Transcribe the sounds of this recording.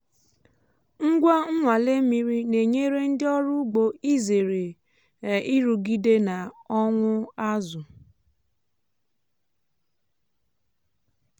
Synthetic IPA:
ŋ̩˦ɡʷa˦ŋ̩˦ŋʷa˨le˦mi˨ɾi˦ne˨ɲe˦ɾe˦n̩˦dɪ˦ɔ˦ɾʊ˦ɡ͡bo˨i˦ze˨ɾe˨ | i˦ɾu˨ɡi˦de˦na˨ɔ˦ŋʷʊ˦a˦zʊ˨

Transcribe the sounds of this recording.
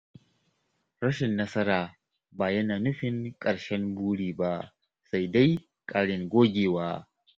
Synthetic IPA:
ɽɐ˦ʃɪ˨nːɐ˦sɐ˦ɾaː˨ | baː˨jɐ˦naː˨nʊ˦ɸɪ˨ŋkʼɐ˨ɽʃɛ˦mbuː˦ɽiː˨ba˦ | sa˦jda˦j | kʼaː˦ɽɪ˨ŋɡʷoː˦ɡʲeː˨waː˦

